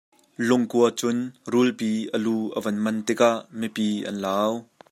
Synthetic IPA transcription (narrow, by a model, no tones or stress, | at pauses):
lʊŋkuət͡sʊnrulpiːʔəluːʔəvɐnmɐnt̪ɪkaʔmipiːʔɐ̰nlaːw